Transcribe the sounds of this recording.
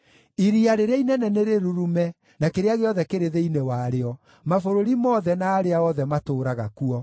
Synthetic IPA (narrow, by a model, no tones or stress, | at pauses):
iɾiaɾeɾeainɛnɛneɾeɾuɾumɛ | nakeɾeaɣeɔðɛkeɾeðeinewaɾeɔ | mafoɾoɾimɔðɛnaːɾeaɔðɛmatoːɾaɣa̰kuɔ